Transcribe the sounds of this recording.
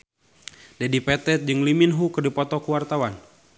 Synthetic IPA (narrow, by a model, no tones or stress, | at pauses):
dadipɛt̪ɛt̪̚d͡ʒɨŋliminɦukɨrdipɔt̪ɔkəwart̪awan